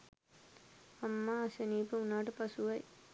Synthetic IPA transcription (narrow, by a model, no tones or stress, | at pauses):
ɐmːaːɐsɐniːpɯʊnːaːʈɯpɐsuʋɐj